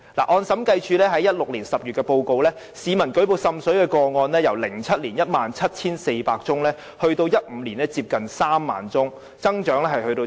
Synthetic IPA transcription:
la̰˨˩ʔɔː˧nsɐ˨˥mkɐ˧jt͡ʃʰyː˨˧lɛː˥ɦɐ˨˥jɐ˥t̚lʊ˨k̚li˨˩nsɐ˨p̚jyː˨t̚kɛ˧po˧wko˧wlɛː˥ | siː˨˧mɐ˨˩nkɵ˨˥ɥpo˨˧wsɐ˧msɵ˨˥ɥkɛː˧kɔː˧ŋɔː˧nlɛː˥jɐ˨˩wlɪ˨˩ŋt͡sʰɐ˥t̚liː˨˩njɐ˥t̚maː˨nt͡sʰɐ˥t̚t͡sʰiː˥nse˧jpaː˧k̚t͡sʊ˥ŋlɛː˥ | hɵ˧ɥt̪o˧wjɐ˥t̚m̩˨˧˦liː˨˩nɛː˥t͡siː˧p̚kɐ˨nsaː˥mːa̰ː˨˩nt͡sʊ˥ŋ | t͡sɐ˥ŋt͡ʃœː˨˥ŋlɛː˥ɦɐ˨jhɵ˧ɥt̪o˧

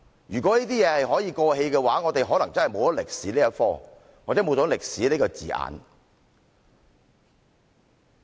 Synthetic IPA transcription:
jyː˨˩kʷɔː˨˥niː˥t̪iː˥jɛː˨˧hɐ˨jɦɔː˨˥jiː˨˧kɔː˧he˧jkɛː˧waː˨˥ŋɔː˨˧t̪e˨jɦɔː˨˥lɐ˨˩ŋt͡sɐ˥nhɐ˨jmo˨˧wt̪ɔ˦˥lɪ˨k̚siː˨˥liː˥ɐ˥t̚fɔː˥ | waː˨˩t͡sɛː˨˥mo˨˧wt͡sɔː˨˥lɪ˨k̚siː˨˥li˥kɔː˧t͡siː˨ʔa̰ː˨n

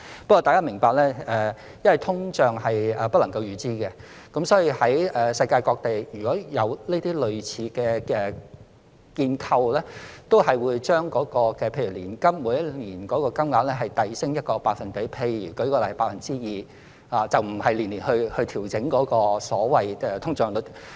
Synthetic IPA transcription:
pɐ˥kɔː˧t̪aː˨jkaː˥mɪ˨˩ŋpaː˧k̚lɛː˥ɛː˨˧ | jɐ˥nwɐ˨˩jt̪ʰʊ˥ŋt͡ʃœː˨˩ŋhɐ˨jɛː˨pɐ˥t̚lɐ˨˩ŋkɐ˧wjyː˨t͡siː˥kɛ˧ | kɐ˨˥msɔː˨˥jiː˨˧hɐ˨˥jɛː˨˩sɐ˧jkaː˧jkɔː˧k̚t̪e˨jjyː˨˩kɔː˨˥jɐ˨˧wleː˥t̪iː˥lɵ˨ɥt͡sʰiː˨˧kɛː˧kɛː˧ | kiː˧nkʰɐ˧wlɛː˥t̪o˥whɐ˨jwuː˨˧jt͡ʃœː˥ŋkɔː˨˥kɔː˧kɛː˧pʰe˧jy˨˩liː˨˩nkɐ˥mːuː˨˧˥jɐ˥t̚liː˨˩nkɔː˨˥kɔː˧kɐ˥mŋaː˨˧p̚lɛː˥ɦɐ˨˩jt̪ɐ˨jsɪ˥ŋjɐ˥t̚kɔː˧paː˧k̚fɐ˨nke˨˥jpʰe˧jyː˨˩kɔ˨˥kɔː˧lɐ˨˩˨paː˧t̚fɐ˨nt͡siː˥jiː˨ | haː˨t͡sɐ˨wm̩˨˩hɐ˨jliː˨˩nliː˨˩nhɵ˧hɵ˧ɥt̪ʰiː˨˩wt͡sɪ˨˥ŋkɔː˨˥kɔː˧sɔː˨˥wɐ˨jɛ˨˧t̪ʰʊ˥ŋt͡ʃœː˨˧ŋt̪o˨˧

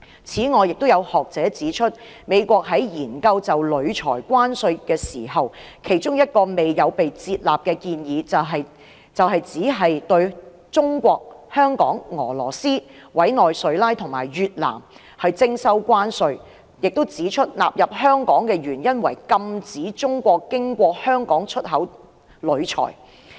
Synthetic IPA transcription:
t͡sʰiː˨˥ŋɔː˨˧jɪ˨k̚t̪ʊ˥wjɐ˨˧whɔː˨k̚t͡sɛː˨˥t͡siː˨˥t͡ʃʰɵ˥t̚ | me˨˧jkʷɔː˧k̚ɦɐ˨˥jjiː˨˩nkɐ˧wt͡sɐ˨wlɵ˨˧ɥt͡ʃʰɔ̰ː˨˩jkʷaː˥nsɵ˧ɥkɛː˧siː˨˩hɐ˨wkʰe˨˩jt͡ʃʊ˥ŋjɐ˥t̚kɔː˧me˨jjɐ˨˧wpe˨jt͡siː˧t̚la̰ː˨p̚kɛː˧kiː˧njiː˨˧t͡sɐ˨ɦɐ˨j | t͡sɐ˨wɦɐ˨jt͡siː˨˥ɦɐ˨jt̪ɵ˧ɥ | t͡sʊ˥ŋkʷɔː˧k̚hœː˥ŋkɔː˨˥ŋŋɔː˨˩lɔː˨˩siː˥wɐ˨˥jnɔː˨jsɵ˨˥ɥlaː˥jt̪ʰʊ˨˩ŋmaː˨˩jɥyː˨t̚la̰ː˨˩m | hɐ˨jt͡sɪ˥ŋsɐ˥wkʷaː˥nsɵ˧ɥ | jɪ˨k̚t̪wt͡siː˨˥t͡ʃʰɵ˥t̚la̰ː˨p̚jɐ˨p̚hœː˥ŋkɔː˨˥ŋkɛː˧ɥyː˨˩njɐ˥nwɐ˨˩jkɐ˧mt͡siː˨˥t͡sʊ˥ŋkʷɔː˧kːɪ˥ŋkʷɔː˧k̚hœː˥ŋkɔː˨˥ŋt͡ʃʰɵ˥t̚ɦɐ˨˥w | lɵ˨˧ɥt͡ʃʰɔ̰ː˨˩j

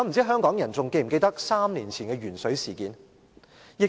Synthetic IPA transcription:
ɔ˨˧m̩˨˩t͡siː˥ɦœː˥ŋkɔː˨˥ŋjɐ˨˩nt͡sʊ˨ŋke˧jm̩˨˩ke˧jt̪ɐ˥k̚saː˥mniː˨˩nt͡sʰiː˨˩nkɛː˧ɥyː˨˩nsɵ˨˥ɥsiː˨˩kiː˨˧n | jɪ˨k̚

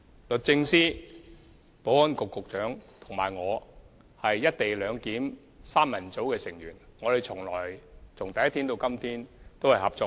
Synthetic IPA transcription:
lɵ˨t̚t͡sɪ˧ŋsiː˥ | po˨˥wɔ˥nkʊ˨kːʊ˨k̚t͡ʃœː˨˥ŋt̪ʰʊ˨˩ŋmaː˨˩jŋɔː˨˧ | hɐ˨jːɐ˥t̚t̪e˨jlœː˨˧ŋkiː˨˥m | saː˥mːɐ˨˩nt͡so˨˥wkɛː˧sɪ˨˩ŋɥyː˨˩nŋɔː˨˧e˨˩jt͡sʰʊ˨˩ŋlɔː˨˩jt͡sʰʊ˨˩ŋt̪ɐ˨jɐ˥t̪ʰiː˥nt̪o˧wkɐ˥mt̪ʰiː˥nt̪o˥whɐ˨jhɐ˨p̚t͡sɔː˧

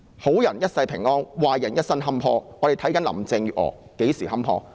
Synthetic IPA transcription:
ho˨˥wjɐ˨˩njɐ˥t̚sɐ˧jpʰɪ˨˩ŋɔː˥nwaː˨˩jɐ˨˩njɐ˥t̚sɐ˥nɦɐ˥mpʰɔː˧˥ŋɔː˨˧ɾe˨˩jt̪ʰɐ˨˥jkɐ˨˥nlɐ̰˨˩mt͡sɪ˧ŋjyː˨t̚ɔ̰ː˨˩ke˨˥jsiː˨˩hɐ˥mpʰɔ̰ː˧˥

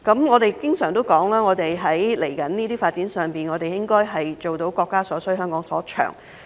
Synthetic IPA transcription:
kɐ˨˥mŋɔː˨˧t̪e˨jkɪ˥ŋsœː˨˩ŋt̪o˥wkɔː˨˥ŋlaː˥ŋɔː˨˧t̪e˨jɦɐ˨˥jle˨˩jkɐ˨˥nniː˥t̪iː˥faː˧t̚t͡siː˨˥nsœː˨ŋpiː˨nŋɔː˨˧t̪e˨jɪ˥ŋkɔː˥jɦɐ˨jt͡so˨wt̪o˨˥wkɔː˧kːaː˥sɔː˨˥sɵ˥ɦœː˥ŋkɔː˨˥ŋsɔː˨˥t͡ʃʰœ̰ː˨˩ŋ

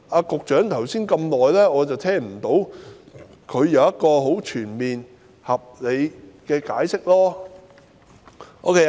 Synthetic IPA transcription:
aː˧kʊ˨k̚t͡ʃœː˨˥ŋt̪ʰɐ˨˩wsiː˥nkɐ˧mnlɔː˨jlɛː˥ŋɔː˨˧t͡sɐ˨wt̪ʰɛː˥ŋm̩˨˩t̪o˨˥w | kʰɵ˨˧ɥjɐ˨˧wjɐ˥t̚kɔː˧ɦo˨˥wt͡ʃʰyː˨˩nmiː˨n | hɐ˨p̚le˨˧jkɛː˧kaː˨˥jsɪ˥k̚lɔː˥ | ʔo̰˥wkʰe˥

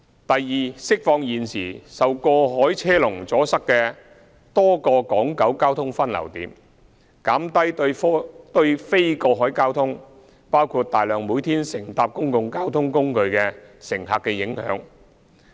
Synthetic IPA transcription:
t̪ɐ˨jːiː˨sɪ˥k̚fɔː˧ŋjiː˨nsiː˨˩sɐ˨wkɔː˧ɦɔː˨˥jt͡sʰɛː˥lʊ˨˩ŋt͡sɔː˨˥sɐ˥kkɛː˧ | t̪ɔː˥kɔː˧kɔː˨˥ŋkɐ˨˥wkaː˥wt̪ʰʊ˥ŋfɐ˥nlɐ̰˨˩wt̪iː˨˥m | kaː˨˥mt̪ɐ˥j | t̪ɵ˧ɥfe˥jkɔː˧ɦɔː˨˥jkaː˥wt̪ʰʊ˥ŋ | paː˥wkʰuː˧t̚t̪aː˨˩jlœː˨ŋmuː˨˥jt̪ʰiː˥nsɪ˨˩ŋt̪aː˨˧p̚kʊ˥ŋkʊ˨˧ŋkaː˥wt̪ʰʊ˥ŋkʊ˥ŋkɵ˧ɥkɛː˧sɪ˨˩ŋɦaː˨kːɛ˧jɪ˨˥ŋhœ̰ː˨˧˥ŋ

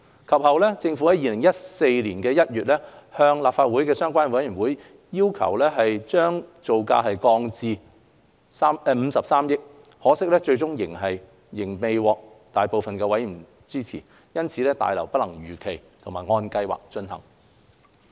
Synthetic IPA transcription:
kʰɐ˨p̚hɐ˨wlɛː˥t͡sɪ˧ŋfu˨˥hɐ˨˥jiː˧lɪ˨˩ŋjɐ˥t̚se˧jliː˨˩nkɛː˧jɐ˥t̚ɥyː˨t̚lɛː˥hœː˧ŋlaː˨p̚faː˧t̚wu˨˥jkɛː˧sœː˥ŋkʷaː˥nwɐ˨˥jyː˨˩wuː˨˥j | jiː˥wkʰɐ̰˨˩wlɛː˥ɦɐ˨jt͡ʃœː˥ŋt͡so˨wka̰ː˧ɦɐ˨jkɔː˧ŋt͡siː˨˧ | saː˥mɛ˧m̩˨˧sɐ˨p̚saː˥mjɪ˥k̚ | hɔː˨˥sɪ˥k̚lɛː˥t͡ʃɵ˧ɥt͡sʊ˥ŋjɪ˨˩ŋɦɐ˨j | jɪ˨˩ŋme˨˧jwɔː˨˧k̚ | t̪aː˨jpo˨wfɐ˨nkɛː˧wɐ˨˥ji˨˩ | t͡siː˥t͡sʰiː˨˩ | jɐ˥nt͡sʰiː˨˥lɛː˥t̪a̰ː˨jlɐ˨˩wpɐ˥lɐ˨˩ŋɥyː˨˩kʰe˨˩jt̪ʰʊ˨˩maː˨jŋɔː˧nkɐ˧jwa̰ː˨k̚t͡ʃɵ˧nɦɐ̰˨˩ŋ

